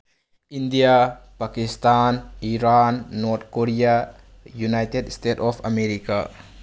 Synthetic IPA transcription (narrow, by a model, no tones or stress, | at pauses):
indijapakistaniɾanːɔɾt̪̚ʰkoɾija | junajtedstetɔpʰameɾika̰